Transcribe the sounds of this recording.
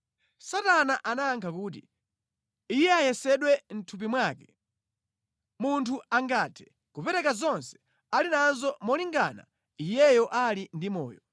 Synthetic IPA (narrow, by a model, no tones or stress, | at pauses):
satanaʔanaːŋkʰakuːtḭ | ijɛajɛsɛɗwɛn̩tʰup̬imwakɛ | muntʰuaŋɡatʰɛ̥ | kupɛɾɛkazɔnsɛ̥ | alinanzɔmɔliŋɡa̰na̰ | ijɛjɔʔalindimɔ̰ːjɔ